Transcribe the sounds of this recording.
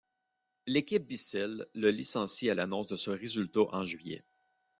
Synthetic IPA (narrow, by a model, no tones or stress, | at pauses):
lekʲip̚bisɛlːəlisɑ̃sialanɔ̃sd̪əsəʁezylt̪oʔɑ̃ʒɥijɛ̰